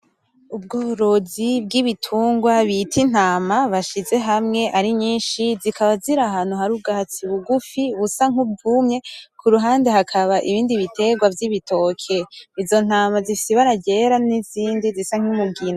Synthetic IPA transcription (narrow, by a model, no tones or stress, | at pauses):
ub̚ɡoːβuɾozibɡiβitʰuːŋɡwaβitʰin̥aːmaβaʃize̞ɦamŋe̞ʔaɾiɲiːnʃizikʰaβaziɾaɦanhuɦaɾub̚ɡaːt͡siβuɡufiβusaŋ̥ub̚ɡumɲe̞kʰuɾuɦaːnde̞ɦakʰaβaʔiβiːndiβitʰe̞ɡwavjiβitʰo̞kʰeizo̞n̥aːmazifisiβaɾaɟe̞ɾaniziːndizisaŋ̥imuɡina